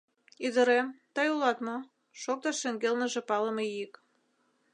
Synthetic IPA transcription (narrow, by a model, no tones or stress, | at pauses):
id̪ə̆ɾemt̪ɑjulɑt̪mo | ʃok̚t̪ɑʃĕŋɡelnə̆ʒĕpɑlə̆mejik